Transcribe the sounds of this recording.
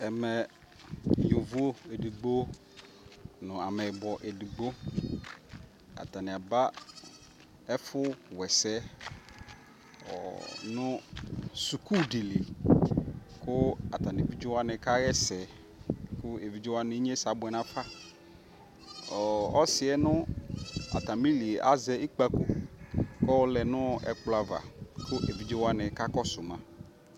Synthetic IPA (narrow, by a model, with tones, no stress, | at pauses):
ɛ˨mɛ̃˨ | jo˨vu˦o˦e˨di˨ɡ͡bo˦ | nʊ̃˨a˨mɛ˨bɔ˨ʔe˨di˨ɡ͡bo˦ | a̰˨ta˨nɪ̃˨a˨ba˦ | ɛ˦fʊ˦wɛ˨sɛ˦ | ɔ̰˨nʊ̃˦su˨kʰu˦di˨li˨ | kʊ˦a˨t̪a˨ne˨vi˦d͡ʒe˦wa˦nɛ˨ka˦ɣɛ˦sɛ˨ | kʊ˦e˨vi˨˦d͡ʒe˦wa˦nɪ˨˦ɲ˦ɛ˦sa˨˦bʊ˨ɛ˨nã˦fa˦ | ɔ˨ɔ˦sɪ˨ɛ˦nʊ̃˦ | a̰˨t̪a˨mi˦li˨e˨ʔa˦zɛ˦i˦k͡pa˦ko˨kɔ˦wɔ˦lɛ˨nʊ̃˦ɛ̰˨k͡pla˨va̰˨kʰʊ˦ʔe˨vi˦d͡ʒe˦wa˦nɛ˨ka˦kɔ˦sʊ˨mã˦